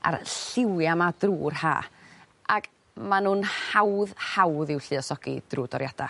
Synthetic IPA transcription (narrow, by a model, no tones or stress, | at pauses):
a̰rɬɪwjamad̥ruːrha̰ː | ʔaɡ̥ | manuːnhawðhawðɪwɬɨɔsɔɡ̥ḭd̥ruːdɔɾjad̥a̰